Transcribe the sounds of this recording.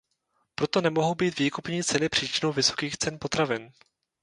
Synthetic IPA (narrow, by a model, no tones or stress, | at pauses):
pɾo̞t̪o̞nɛmo̞ɦowbiːt̪viːkupɲiːt͡sɛnɪpr̥iːt͡ʃɪnowvɪso̞̥kiːxt͡sɛnpo̞t̪ɾavɪn